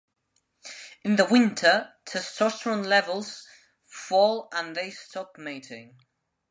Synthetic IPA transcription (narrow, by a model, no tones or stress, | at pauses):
ɪ̃nðəwɪ̃ntʰətʰəsɔsɹə̃nlɛvəlˠz̥ | fɔːlˠə̃nðeɪstʰɒpmiˑtʰɪ̃ŋ